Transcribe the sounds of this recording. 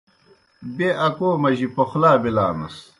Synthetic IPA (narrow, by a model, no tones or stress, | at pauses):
beʔɐkoːmɐʑipɐxlaːbila̰ːnɐ̰s